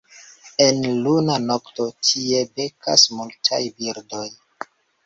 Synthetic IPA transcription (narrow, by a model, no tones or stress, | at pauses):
e̞nlunanokto̞tʰie̞be̞kʰa̰smultʰa̰jbiɾdoj